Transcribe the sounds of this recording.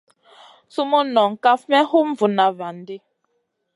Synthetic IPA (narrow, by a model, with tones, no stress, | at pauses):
su˦mo˦nɔ˨ŋ̩˨ka˦fmɛ˦hu˦ɱ˦vu˨na˨va˨n˦di˦